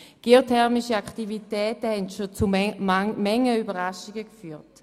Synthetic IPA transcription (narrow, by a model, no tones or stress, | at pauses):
ɡ̥iotʰɛʁmiʃəaktivitɛːtəhɛntʃot͡su | mɛŋːəybɐʁaʃiɡəkfyːʁt